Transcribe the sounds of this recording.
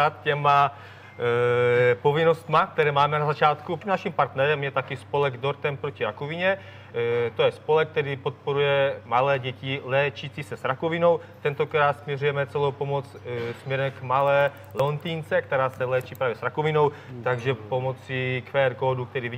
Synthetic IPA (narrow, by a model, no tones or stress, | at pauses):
at̪̚cɛma | po̞vɪno̞st̪mak̚t̪ɛɾɛːmaːmɛnazat͡ʃaːt̪kunaʃimpaɾt̪nɛɾɛmjɛt̪akɪspo̞lɛɡd̪o̞ɾt̪ɛmpɾociɾakoviɲɛ | t̪ojɛspo̞lɛk̚ːt̪ɛɾiːpo̞t̪̚po̞ɾujɛmalɛːɟɛcɪlɛːt͡ʃit͡sisɛsɾakovɪno̞w | t̪ɛnt̪o̞kɾaːt̪smɲɛrujɛmɛt͡sɛlowpo̞mot͡ssmɲɛɾɛmkmalɛː | lɛlont̪iːnt͡sɛkt̪ɛɾaːsɛlɛːt͡ʃiːpɾaːvjɛsɾakovɪno̞wt̪aɡʒɛpo̞mot͡sikfɛːɾkoːduk̚t̪ɛɾiːvi